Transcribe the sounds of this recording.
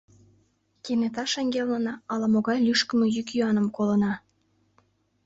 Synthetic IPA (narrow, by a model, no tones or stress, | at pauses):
kenet̪ɑʃɑŋɡʲelnənɑɑlɑmoɣɑjlʲyʃkə̆mə̆jykjyɑnəmkolə̆nɑ